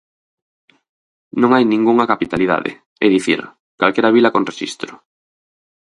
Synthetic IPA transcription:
nõŋajnĩŋɡuŋɐkapit̪aliða̰ðɪ̰ | ɛðiθḭɾ | kalkɛɾaβilɐkonreʃḭst̪ɾʊ

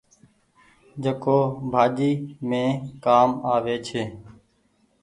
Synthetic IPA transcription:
d͡ʒeːkoːbʱaːd͡ʒiːmẽːkaːmaːʋeːt͡ʃʰeː

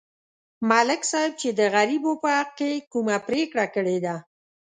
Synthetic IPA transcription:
malɪksɑɪb̚t͡ʃed̪əɣaɾibopəhaq̚kekumapɾekɽakəɽed̪a

